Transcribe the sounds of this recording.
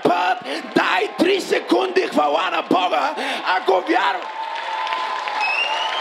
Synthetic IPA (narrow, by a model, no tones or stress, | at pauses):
pət̪d̪ajt̪ɾisɛkund̪ixfɐwanɐbɔɡəɐɡovjaɾʊ